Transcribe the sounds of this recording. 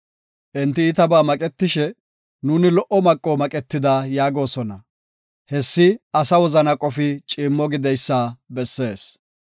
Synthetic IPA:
ʔɪnt̪ːɪːt̪ɐbaːmɐkʼɛt̪ːɪʃɛ | nuːnɪlɔʔɔmɐkʼːomɐkʼɛt̪ːɪd̪aːjaːɡo̞ːsɔnɐ | hɛsːɪɐsɐwɔzɐnɐkʼɔfɪt͡ʃʼiːmːɔɡɪd̪ɛjsːaːbɛsːe̞ːs

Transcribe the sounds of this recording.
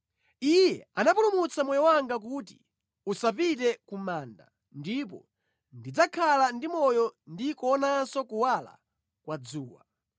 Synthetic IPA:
ijɛanapulumut͡samɔjɔwaŋɡak̬uti̥ | usapitɛkumaːnda | ndip̬ɔ | ndid͡zakʰalandimɔjɔndikɔːnasɔkuwala̰ | kwad͡zuːwa̰

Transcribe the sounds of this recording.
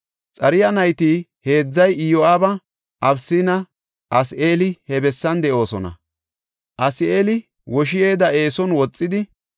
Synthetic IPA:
t͡sʼɐɾɪjɐnɐjt̪iːhe̞ːd͡zːɐjɪjɔaːbɐ | ʔɐbsinɐ | ʔɐsʔe̞ːlɪhɛbɛsːɐnd̪ɛʔo̞ːsɔnɐ̰ | ʔɐsɪeːlɪ | wɔʃ̬ɪje̞ːd̪ɐe̞ːsɔnwɔt͡sʼːɪd̪ɪ

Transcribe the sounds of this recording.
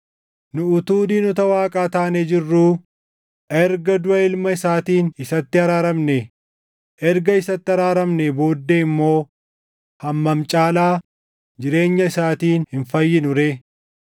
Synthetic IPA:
nʊʊt̪uːd̪iːnʊt̪ɐwaːkʼaːt̪aːned͡ʒɪrːuː | ʔɛɾɡɐd̪ʊɐɪlmɐɪsaːt̪iːnɪsɐt̪ːɪɐɾaːɾɐmne | ʔɛɾɡɐɪsɐt̪ːɪɐɾaːɾɐmnebo̞ːd̪ːeɪmːo̞ː | hɐmːɐmt͡ʃʼaːlaː | d͡ʒɪɾe̞ːɲːɐɪsaːt̪iːnhɪnfɐjːɪnʊɾeː

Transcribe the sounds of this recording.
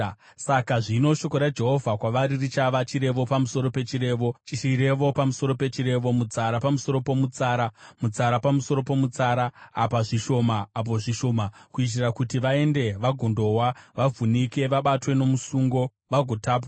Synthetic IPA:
sakaʐino̞ʃo̞ko̞ɾad͡ʒe̞ɦo̞vʱakwaʋaɾirit͡ʃaʋat͡ʃiɾe̞ʋo̞pamuso̞ɾo̞pe̞t͡ʃiɾe̞ːʋo̞iɾe̞ʋo̞pamuso̞ɾo̞pe̞t͡ʃiɾe̞ʋo̞mut͡saɾapamuso̞ɾo̞po̞mut͡saːɾamut͡saɾapamuso̞ɾo̞po̞mut͡saɾaːpaʐiʃo̞maːp̬o̞ʐiʃo̞ːmakuit̬irakutiʋae̞nde̞ʋaɡʱondo̞waʋavʱunike̞ʋaɓatwe̞no̞musuːŋɡo̞ | ʋaɡʱo̞taːp̬a

